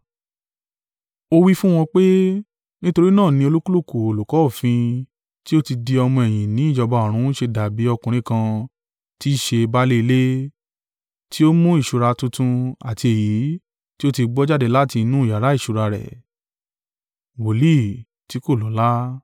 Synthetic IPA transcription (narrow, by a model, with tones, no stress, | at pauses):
o˧wi˦fũ˦w̃ɔ̃˧k͡pe˦ | nĩ˦to˧ɾi˦nãː˦˨nĩ˧o˧lu˦ku˦lo˦˨ko˨o˨lu˨kɔ˨˦o˦˨fĩ˧ | ti˦o˦ti˧di˧ɔ˧mɔ̃˧ɛ˨j̃ĩ˨nĩ˨˦i˦˨d͡ʒɔ˧ba˨˦ɔ˨ɾ̃ũ˨˦ʃe˧da˨bi˨˦ɔ˧kũ˨ɾ̃ĩ˨˦kã˧ | ti˦ʃe˧ba˦le˦i˧le˦ | tʰi˦o˦mũ˦i˦˨ʃu˨ɾa˧tũ˧tũ˧a˨ti˧e˨ji˨˦ | ti˦o˦ti˧ɡ͡bɔ˦d͡ʒa˦de˧la˦˨ti˧nũ˦i˨ja˨ɾa˨˦i˦˨ʃu˨˧ɾa˧ɾɛ̰˨ | wo˨˦li˦ | ti˨˦ko˦˨lɔ˨˦la˦